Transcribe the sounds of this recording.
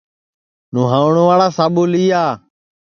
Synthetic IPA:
nũːɦãːʊɳ̃oːʋaːɭaːsaːɓuːliːaː

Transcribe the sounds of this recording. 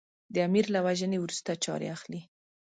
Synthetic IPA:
d̪əamiɾlawaʒənewɾust̪at͡ʃɑ̰ɾḛaxli

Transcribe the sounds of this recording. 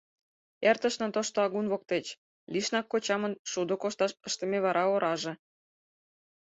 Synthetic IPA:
ert̪ə̆ʃnɤ̆t̪oʃt̪oɑɣunβok̚t̪et͡ɕ | liʃnɑkːot͡ɕɑmənʃud̪okoʃt̪ɑʃəʃt̪ə̆meβɑɾʔɑoɾʔɑʒĕ

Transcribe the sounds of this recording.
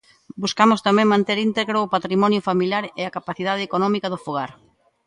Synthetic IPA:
buskamʊst̪amẽŋmãnt̪eɾint̪eɣɾoːpat̪ɾimɔnjofamiljaɾeakapaθið̞að̞ɪekonɔmikaðʊfuɣ̞aɾ

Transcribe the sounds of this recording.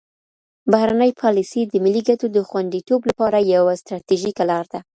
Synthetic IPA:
bahɾanəjpʰɑlisid̪əmɪlːiɡatod̪əxwand̪it̪oblapɑɾajawast̪ɾɑt̪iʒikalɑɾd̪a

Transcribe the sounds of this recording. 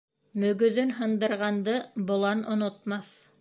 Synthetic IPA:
mɵ̆ɡɵ̆ðɵnɦɤ̆nd̪ɤ̆ɾʁɑnd̪ɤbŏlˠɑnŏnŏt̪mɑθ

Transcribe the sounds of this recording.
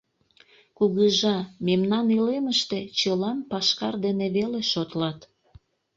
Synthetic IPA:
kuɣəʒɑmemnɑnileməʃt̪et͡ɕəlɑmpɑʃkɑ̰rd̪eneβeleʃot̪lɑt̪

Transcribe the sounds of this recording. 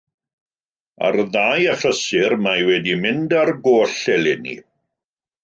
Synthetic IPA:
a̰rðaːjaɬəsɪrmajwɛdimɪndarɡoːɬɛlɪnḭ

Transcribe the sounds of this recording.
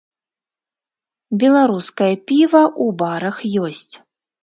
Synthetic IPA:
bʲɛlˠaɾuskɐjɐpʲivɐʔubaɾɐxjɔsʲt͡sʲ

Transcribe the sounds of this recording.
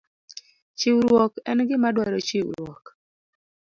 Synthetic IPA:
t͡ʃɪwɾwɔkɛnɡɪmadwɔɾɔt͡ʃiwɾwɔk

